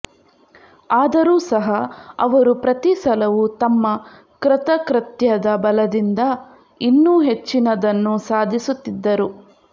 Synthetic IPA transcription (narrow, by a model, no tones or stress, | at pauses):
aːd̪ɐɾuːsɐɦɐɐʋɐɾupɾɐt̪isɐlɐʋut̪ɐmːɐ | kɾɪt̪ɐkɾɐt̪jɐd̪ɐbɐlɐd̪ind̪ɐ | inːuːɦe̞t͡ʃːinɐd̪ɐnːusaːd̪ʱisut̪ːid̪ːɐɾu